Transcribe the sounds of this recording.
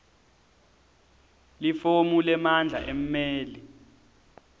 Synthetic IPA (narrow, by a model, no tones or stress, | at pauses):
lifomulɛmand͡ɮʱa̰ʔem̩meːli